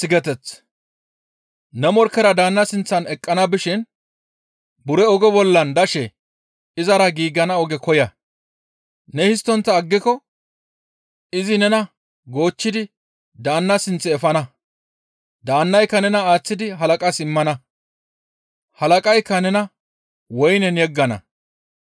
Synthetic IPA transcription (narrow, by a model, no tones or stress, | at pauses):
tɪɡɛt̪ɛt͡sː | nɛmɔɾkːɛɾɐd̪aːnːɐsɪnt͡sːɐnɛkʼːɐnɐbɪʃɪn | bʊɾɛɔɡɔbɔlːɐnd̪ɐʃɛ | ɪzɐɾɐɡiːɡːɐnɐɔɡɛkɔjɐ | nɛhɪs̬t̪ːɔnt̪ːɐːɡːɪkɔ | ɪzɪnɛnɐ | ɡo̞ːt͡ʃːɪd̪ɪ | d̪aːnːɐsɪnt͡sːɛːfɐnɐ | d̪aːnːɐjkːɐnɛnɐaːt͡sːɪd̪ɪɦɐlɐkʼɐsɪmːɐnɐ | hɐlɐkʼɐjkːɐnɛnɐ | wɔjnɛnjɛɡːɐnɐ̰